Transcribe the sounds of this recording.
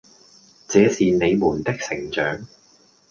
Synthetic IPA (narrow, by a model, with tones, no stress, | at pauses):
t͡sɛː˨˧siː˨ne˨˧jmuː˨˩nt̪ɪ˥k̚sɪ˨˩ŋt͡ʃœː˨˥ŋ